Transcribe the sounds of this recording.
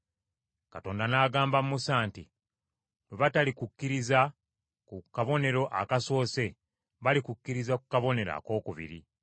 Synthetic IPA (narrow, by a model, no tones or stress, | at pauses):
kato̞ːndanaːɡaːmbammusaːnti | nuβatalikukːiɾiza | kukaβo̞ne̞ɾo̞ʔakaso̞ːse̞ | βalikukːiɾizakukaβo̞ne̞ɾa̰ko̞ːkuβḭɾḭ